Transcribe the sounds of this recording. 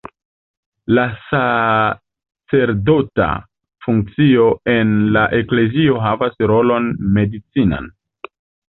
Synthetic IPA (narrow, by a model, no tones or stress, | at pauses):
lasa | t͡se̞ɾdo̞ta̰ | fuŋk̚t͡sio̞e̞nlaʔe̞kle̞zio̞ɦavasɾo̞lo̞nme̞dit͡sina̰n